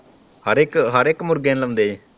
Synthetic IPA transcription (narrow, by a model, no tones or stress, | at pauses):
həɾɪkɦəɾekmʊɾɡẽːnləmnd̪eː